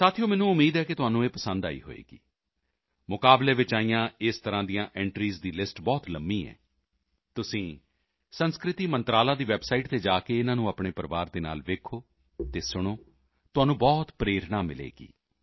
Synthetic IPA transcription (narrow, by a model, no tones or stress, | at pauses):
saːt̪ʰijoːmɛːnũːʊmːiːd̪ɦɛːkɪt̪ʊɦaːnũːeːpəsənd̪a̰ːḭːɦo̰ːḛːɡḭː | mʊkaːbleːʋɪt͡ʃaːijãːɪst̪əɾãːd̪ijãːʔɛːɳʈɾiːzd̪iːlɪsʈbɔːt̪ləmbiːɛ̰ː | t̪ʊsĩː | sənskɾɪt̪iːmənt̪ɾaːlaːd̪iːʋɛːbsaːiːʈt̪eːd͡ʒaːkeːɪnãːnũːaːpɳeːpəɾʋaːɾd̪eːna̰ːlʋeːkʰoː | t̪eːsʊɽ̃oː | t̪ʊɦaːnũːbɔːt̪pɾeːɾɳaːmɪlḛːɡḭː